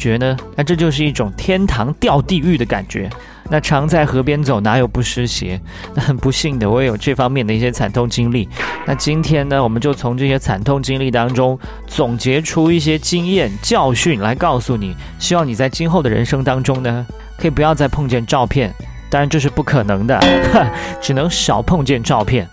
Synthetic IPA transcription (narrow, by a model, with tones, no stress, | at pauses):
t͡ɕɥɛ˧˥nə˧na˥˧ʈ͡ʂɤ˥˧t͡ɕjo˥˧ʊʂ̬ɻ̩˥˧i˥˩ʈ͡ʂʊ˨˩ŋt̪ʰjɛ˥nt̪ʰɑ˧˥ŋt̪jɑ˥˧ʊt̪i˥˧y˥˩d̪ə˩ka̰˨˩nt͡ɕɥɛ̰˧˥ | na˥˩ʈ͡ʂʰɑ˧˥ŋt͡sa˥˩ɪxɤ˧˥pjɛ˥nt͡so˨˩ʊna˧˥jo˨˩ʊpu˥˩ʂɻ̩˥ɕjɛ̰˧˥ | na˥˩xə˨˩npu˧˥ɕi˥˩ŋd̪ə˩wɔ˧˥˩jo˨˩ʊʈ͡ʂɤ˥˩fɑ˥ŋmjɛ˥˩nd̪ə˩i˥˩ɕjɛ˥t͡sʰa˨˩nt̪ʰʊ˥˧ŋt͡ɕi˥ŋli˥˩na˥˩t͡ɕi˥nt̪ʰjɛ˥nnə˨wɔ˨˩mə˦nt͡ɕjo˥˩ʊt͡sʰʊ˧˥ŋʈ͡ʂɤ˥˧ɕjɛ˥t͡sʰa̰˨˩nt̪ʰʊ˥˧ŋt͡ɕi˥ŋli˥˩t̪ɑ˥ŋʈ͡ʂʊ˥ŋ | t͡sʊ˨˩ŋt͡ɕjɛ˧˥ʈ͡ʂʰu˥i˥˩ɕ̬jɛ˥t͡ɕi˥ŋjɛ˥˩nt͡ɕjɑ˥˧ʊɕy˥˩nla˧˥ɪkɑ˥˩ʊsu˨˩ni˨˩˦ | ɕi˥wɑ˥˩ŋni˨˩t͡sa˥˩ɪt͡ɕi˥nxo˥˩ʊd̪ə˩ɻə̰˧˥nʂɤ˥ŋt̪ɑ˥ŋʈ͡ʂʊ˥ŋnə˨ | kʰɤ˧˥i˨˩pu˧˥jɑ˥˧ʊt͡sa˥˧ɪpʰɤ˥˧ŋt͡ɕjɛ˥˧nʈ͡ʂɑ˥˧ʊpʰjɛ˥˩n | t̪ɑ˥ŋɻa˧˥nt͡ɕjo˥˧ʊʂɻ̩˥˧pu˥˩kʰɤ˨˩nɤ˧˥ŋd̪ə̰˧ | ʈ͡ʂɻ̩˨˩nɤ˧˥ŋɕɑ˨˩ʊpʰɤ˥˧ŋt͡ɕjɛ˥˧nʈ͡ʂɑ˥˧ʊpʰjɛ˥˩n